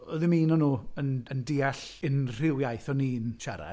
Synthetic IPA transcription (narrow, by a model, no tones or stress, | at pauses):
ɔðɪmiːnɔnuːənəndiːaɬɪnr̥ɪwjajθɔniːnʃaɾa̰